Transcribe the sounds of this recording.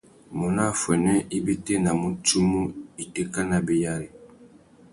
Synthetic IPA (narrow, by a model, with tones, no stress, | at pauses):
mu˨na˦˨fwɛ˨nwɛ˦i˦be˦tɛ˦na˨mu˨tu˦mu˦i˨te˦ka˦na˨bi˦ja˦li˨